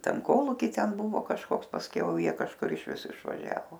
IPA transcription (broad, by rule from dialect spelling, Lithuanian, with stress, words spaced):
ˈtʲɛn ˈkoːlˠuːkʲiː ˈtʲɛn ˈbʊʋoː kɐʃˈkoːks pɐsʲˈkʲɛʊ ˈjiɛ kɐʃˈkʊr ɪʃʲˈʋʲɪs ɪʃʋɐˈʒʲæːʋoː